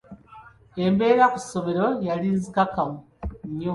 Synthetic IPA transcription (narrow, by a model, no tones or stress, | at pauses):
embe̞ːɾakusoβeɾojalinzikakamu | ɲo